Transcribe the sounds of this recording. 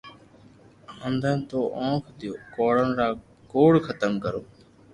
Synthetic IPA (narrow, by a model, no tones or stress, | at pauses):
ənd̪ʱənt̪oːʔõːkʰd̪ɪjoːkoːɽənɾaː | koːɽkʰət̪əmkəɾoː